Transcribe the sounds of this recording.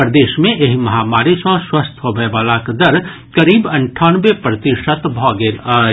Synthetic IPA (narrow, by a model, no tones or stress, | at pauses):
pɾəd̪eːʃmẽʔeɦimɐɦaːmaːɾisɔ̃swəst̪ʰɦobeʋaːlakd̪ɐɾ | kɐɾiːbɐ̃ɳʈʰaːnʋepɾɐt̪ɪʃət̪bʱɔːɡeːl